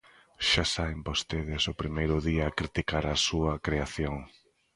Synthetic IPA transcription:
ʃasaβɪmbost̪eð̞ɪsʊpɾimejɾʊðiɐːkɾit̪ikaɾɐsuɐkɾeaθjoŋ

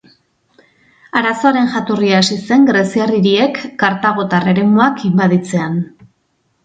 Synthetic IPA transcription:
aɾaso̞aɾe̞nʝat̪oriaːsise̞ŋɡɾesiariɾie̞kːaɾt̪aɣ̞o̞t̪are̞ɾe̞moakimbaðit͡se̞an

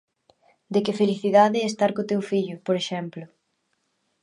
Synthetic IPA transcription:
d̪ekɪfeliθiðaðɪːst̪aɾkot̪ewfiʎʊpoɾeʃɛmplʊ

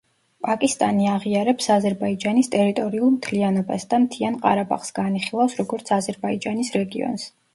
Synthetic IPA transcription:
pʼakʼist̪ʼaniaʁiaɾɛpsazɛɾbaid͡ʒanist̪ʼɛɾit̪ʼɔɾiulˠmt̪ʰlianɔbasd̪̥amt̪ʰianqʼaɾabʼa̰χsɡ̥aniχilˠafsɾɔɡɔɾt̪sʰazɛɾbaid͡ʒanisɾɛɡiɔ̰ns

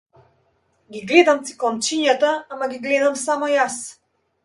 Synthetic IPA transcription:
ɡʲiɡlɛd̪amt̪si̥klˠɔnt͡ʃiɲat̪aamaɡʲiɡlɛd̪amsamɔjas

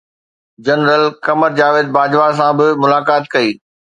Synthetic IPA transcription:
d͡ʑɐnɾəlkɐməɾd͡ʑaːʋɪːd̪̚baːd͡ʑʋas̬ãbɪmʊlaːkaːt̪kɐiː

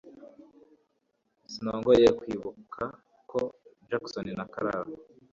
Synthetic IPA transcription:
sinoːŋɡojekwiːβukʰa | kʰod͡ʒaksoninakaɾa̰βo

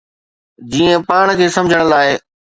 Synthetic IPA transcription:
d͡ʑiːə̃paːɽ̃kʰeːsɐmd͡ʑʱəɽ̃ə̆laːɪ

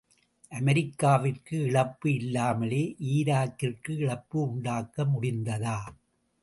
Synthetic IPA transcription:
ʔɐmɐɾɪkːaːʋɪrkɯɪɭɐpːɯɪlːaːmɐleːʔiːɾaːkːɪrkɯɪɭɐpːɯʊɳɖaːkːɐmʊɽɪnd̪ɐðaː

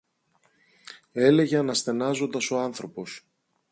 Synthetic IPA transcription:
e̞le̞ʝeɐnɐsθe̞nɐzo̞nd̪ɐso̞ɐnθɾo̞po̞s

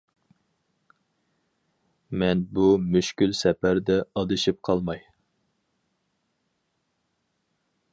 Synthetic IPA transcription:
mɛnbumyʃkʲylsɛpæɾd̪ɛɑd̪ɨʃip̚qʰɑlˠmɑj

